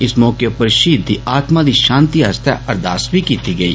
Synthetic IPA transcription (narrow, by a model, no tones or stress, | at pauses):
ɪsmɔːkjepɐɾʃiːd̪ʱːiaːt̪mad̪iʃãːnt̪iɐst̪ja̰ʔɐɾd̪ʱa̰ːsbʱikiːt̪iɡɐḭː